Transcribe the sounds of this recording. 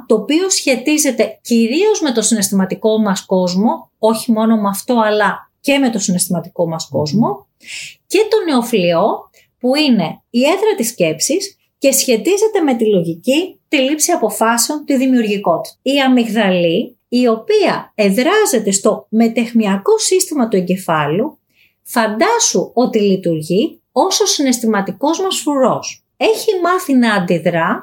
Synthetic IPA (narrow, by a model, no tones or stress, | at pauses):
t̪o̞ːpio̞sçe̞t̪ize̞t̪e̞ciɾio̞zme̞t̪o̞sine̞st̪imɐt̪iko̞mɐsko̞zmo̞oçimo̞no̞mɐft̪o̞ɐlɐce̞me̞t̪o̞sine̞st̪imɐt̪i̥ko̞mɐsko̰zmo̞ | ce̞t̪o̞ne̞o̞flio̞ | puine̞ie̞ðɾɐt̪isce̞psis | ce̞sçe̞t̪ize̞t̪e̞me̞t̪ilo̞ʝicit̪ilipsiɐpo̞fɐseo̞nt̪iðimiuɾʝiko̞t̪i̥iɐmiɣðɐli | io̞piɐe̞ðɾɐze̞t̪e̞st̪o̞me̞t̪e̞xmiɐko̞sist̪imɐt̪ue̞ɲɟe̞fɐlu | fɐnd̪ɐsuo̞t̪ilit̪uɾʝi | o̞so̞sine̞st̪imɐt̪iko̞zmɐsfuɾo̞s | e̞çimɐθinɐːnd̪iðɾɐ